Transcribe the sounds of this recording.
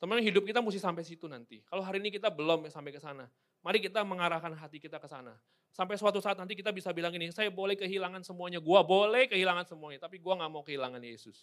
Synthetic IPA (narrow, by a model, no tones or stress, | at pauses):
t̪əmŋɦidʊp̚kit̪amusɪhsampajsit̪unant̪ḭkaloɦaɾiːnikit̪abəlɔmjsampajkəsana | maɾikit̪aməŋaɾahkanɦat̪ikit̪akəsa̰na | samp̬ajsəwat̪usaːt̪̚nant̪̬ik̬it̪abisabilaŋinisajabolɛhkəɦilaŋansəmuaɲaɡuabolɛhkəɦilaŋansəmuaɲat̪apiɡuaŋɡaʔmaukəɦilaŋanjesʊs